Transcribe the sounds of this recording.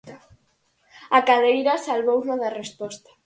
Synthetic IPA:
akaðejɾɐsalβownoðɐrespɔst̪ḁ

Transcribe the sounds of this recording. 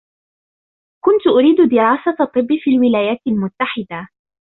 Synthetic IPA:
kʊnt̪ʊʔʊɾiːd̪ʊd̪ɪɾɑːsaɑt̪ˤːɨbːɪfiːlwɪlaːjaːt̪ɪlmʊt̪ːaħɪd̪a

